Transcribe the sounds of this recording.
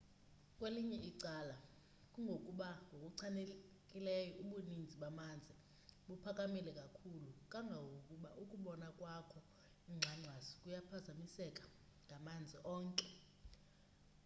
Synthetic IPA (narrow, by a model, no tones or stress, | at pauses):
kʼweliɲɛʔiǀala | kʼuŋɡʱokʼuɓaŋɡʱokʼuǀʰane | kʼilɛjɔʔuɓunind͡zʱiɓamand͡zʱi | ɓupʰakʼamilɛkʼakʰulukʼaŋɡʱawokʼuɓaʔukʼuɓɔnakʼwakʰɔ | iŋ͡ǁʱaŋ͡ǁʱwazikʼujapʰazamisɛkʼḁ | ŋɡʱamand͡zʱiʔɔːŋkʼɛ